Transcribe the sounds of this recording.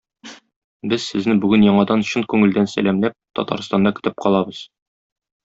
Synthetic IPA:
bɘzsɘ̆znɘbʉɡɘnjɒɴɑd̪ɑnɕɤnkʉŋɘ̆ld̪ænsæ̰læmlæp̚t̪ɒ̰t̪ɑ̰ɾst̪ɑnd̪ɑkɵ̥̆t̪ɘp̚qʰɒlˠɑbɤz̥

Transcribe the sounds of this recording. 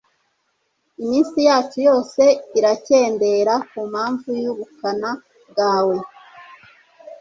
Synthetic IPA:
imiːnsijaːt͡ʃujo̞ːse̞iɾace̞ːnde̞ɾakumhaːɱvujuβukana | ɡaːwe̞

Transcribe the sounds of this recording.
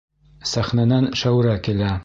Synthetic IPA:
sæχnænænʃæwɾækilæ

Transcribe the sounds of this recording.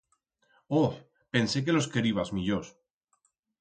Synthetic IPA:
o | pe̞nse̞k̬e̞lo̞skeɾiβazmiʎos

